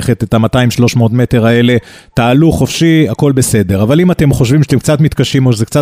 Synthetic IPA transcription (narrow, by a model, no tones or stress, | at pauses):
χet̪etamataimʃlo̞ʃmoot̪me̞te̞ʁaele̞ | taːluχo̞fʃiako̞lbe̞se̞de̞ʁavalimatemχo̞ʃvimʃat̪emk̚t͡satmit̪kaʃimoʃezekt͡sa